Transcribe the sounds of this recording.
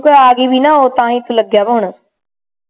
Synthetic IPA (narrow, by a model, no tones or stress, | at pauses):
koaːɡibʱinaɦot̪ɐãĩt̪ulɐɡʱjaboːʊɽə